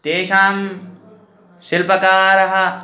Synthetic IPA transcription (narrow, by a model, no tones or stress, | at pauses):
t̪eːʃaːm | sɪlpɐkaːɾɐɦɐ